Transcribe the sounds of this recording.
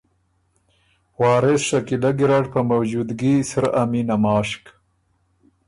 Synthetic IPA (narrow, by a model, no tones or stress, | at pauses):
wɑːɾesʂakilaɡiɾaʈpamawd͡ʒud̪ɡisaɾaminamɑːʃk